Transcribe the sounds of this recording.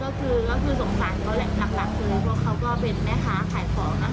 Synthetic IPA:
kɔː˥˩kʰɯː˧kɔː˥˩kʰɯː˧so˩˦ŋsaː˨˦jkʰaː˦˥wlɛ˨˩la˨˩k̚la˨˩k̚lɤː˧jpʰu˥˩ək̚ʰːa˦˥wkɔː˥˩pe˧nmɛː˦˥˩saː˩˦kʰaː˨˩˦jkʰɔː˩˦ŋa˧˩

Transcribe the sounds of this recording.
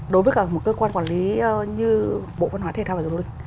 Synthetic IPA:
ɗo˨˦jvəː˨˦jkaː˧˩mo˨˩t̚kəː˧kwaː˧nkwaː˧˩nli˨˦˧ɲɨ˧ɓo̰˧˨və˧nɦwa˨˦t̪ʰe˨˩t̪a˧va˨˩˨wi˧˨ŋ

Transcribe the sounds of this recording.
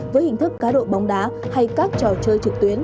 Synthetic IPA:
vəː˨˦jhï˧˩ŋ̟t̪ɨ˦˥kːaː˨˦ɗo̰˧˨ɓa˨˦wŋ͡mɗaː˨˦ha˧jkaː˦˥k̚t͡ɕɔ˨˩t͡ɕəː˧jt͡ɕɨ˨˩k̚t̪wi˨˦ən

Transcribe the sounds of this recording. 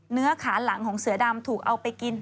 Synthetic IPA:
nɯ˦˥ɐkʰaː˩˦nla˩˦ŋkʰɔː˩˦ŋsɯ˩˦ɐda˧mt̪ʰuː˨˩k̚ʔa˧wpa˧jki˧n

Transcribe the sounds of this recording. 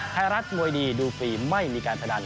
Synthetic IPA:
tʰa˧˩ɾa˦˥t̪̚mu˧jdiː˧duː˧fiː˧ma˥˩jmiː˧kaː˧npʰa˧da˧n

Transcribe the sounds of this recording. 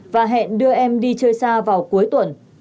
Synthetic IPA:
vaː˨˩ɦɛ̰˧˨nɗɨ˧əʔɛ˧mɗi˧t͡ɕəː˧jsaː˧vaː˨˩wku˨˦əjt̪wə˨˩n

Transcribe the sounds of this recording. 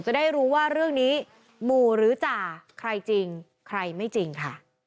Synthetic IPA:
t͡ɕa˨˩da˥˩jɾuː˦˥waː˥˩ɾɯ˥˩əŋniː˦˥ | muː˨˧˩ɾɯː˩˦t͡ɕaː˨˩kʰɾa˧jt͡ɕi˧ŋ | kʰɾa˧jma˥˩jt͡ɕi˧ŋkʰa̰˥˩

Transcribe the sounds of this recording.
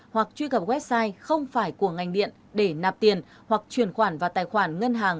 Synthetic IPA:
hwa˨˩k̚t͡ɕwi˧kə˨˩p̚ɣwɛ˦˥p̚saː˧jxə˧wŋ͡mfaː˧˩jku˧˩əŋa˨˩jŋ̟ɗḭ˧˨ən | ɗe˧˩naː˨˩p̚t̪i˨˩ən | hwa˨˩k̚t͡ɕwi˨˩ənxwaː˧˩nvaː˨˩t̪aː˨˩jxwaː˧˩nŋə˧nɦaː˨˩ŋ

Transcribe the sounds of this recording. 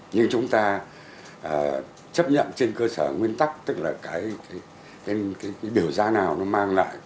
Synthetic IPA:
ɲɨ˧ŋt͡ɕʊ˨˦ŋ͡mt̪aː˧ | ʔəː˨˩ | t͡ɕə˦˥p̚ɲə̰˧˨nt͡ɕe˧nkəː˧səː˧˩ŋwi˧ənt̪a˦˥k̚t̪ɨ˦˥k̚laː˨˩kaː˨˦jkaː˨˦j | kaː˨˦jkaː˨˦jkaː˨˦jɓi˧˩əwzaː˧naː˨˩wnɔ˨˦maː˧ŋla̰ː˧˨j

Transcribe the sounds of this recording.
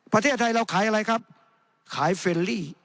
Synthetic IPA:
pɾa˧t̪ʰeː˥˩t̪ʰːa˧jɾa˧wkʰaː˩˦jʔa˧ɾa˧jkʰa˦˥p̚ | kʰaː˩˦jfe˧liː˥˩

